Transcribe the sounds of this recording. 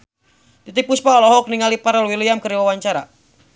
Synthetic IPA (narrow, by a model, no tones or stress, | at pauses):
dit̪ipuspaɔlɔɦɔk̚niŋalipaɾalwiliamkəɾiwawaɲt͡ʃaɾa̰